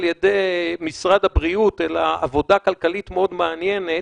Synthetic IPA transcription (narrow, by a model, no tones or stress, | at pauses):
ljed̪ejmisʁad̪habʁiut̪elaʔːvo̞dakalkalitmeo̞d̪meanjenet